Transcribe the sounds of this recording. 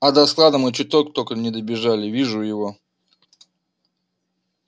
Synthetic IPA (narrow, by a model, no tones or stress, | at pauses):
ɐd̪ɐsklˠad̪əmɨt͡ɕɪt̪okt̪okənʲɪd̪əbʲɪʐalʲɪvʲiʐʊjɪvo